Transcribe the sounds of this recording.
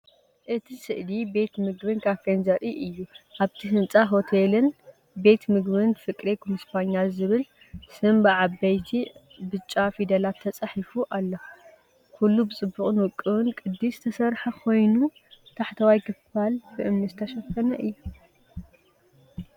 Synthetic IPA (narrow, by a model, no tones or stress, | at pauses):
ʔɨt̪ʰisɨʔlibe̞t̪mɨɡbɨnkʰaβkɐnzɐɾiʔɨjːuʔaβt̪ʰiɦɨnt͡sʼaɦo̞t̪ʰelɨn | be̞t̪mɨɡβɨnfɨkʼɾekʰumɨspaɲːalzɨβɨl | sɨmbɨʕabɐjt̪ʰi | bɨt͡ʃʼːafid̪ɐlat̪ʰːɐt͡sʼaħifuʔalːɐ | kulːubɨt͡sʼɨbːuχʼɨnwɨkʼːɨwɨnkʼɨd̪ːisɨt̪ʰɐsɐɾħɐkʰo̞jnu | t̪ʰaħt̪ʰɐwajkʰɨfalbɨʔɨmnizɨt̪ʰɐʃɐfkʰːɐnɐʔɨjːu